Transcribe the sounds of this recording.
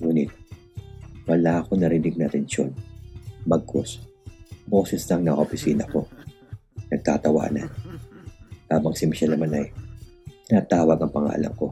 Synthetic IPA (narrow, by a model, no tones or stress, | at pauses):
ŋuːnɪt̪̚ | wɐlaːʔɐko̞nɐɾɪnɪɡ̚nat̪ɛnʃo̞̰nbɐɡ̚kʰos | bo̞ːsɛslɐŋnɐŋɐ̰ʔopɪsiːnɐko̞ | nɐɡ̚t̪a̰ːt̪ɐwa̰ːnɐ̰n | haːbɐŋsɪmɪʃɐnɐmanɐj | nat̪aːwɐɡɐŋpɐŋa̰ːlɐ̰mko̞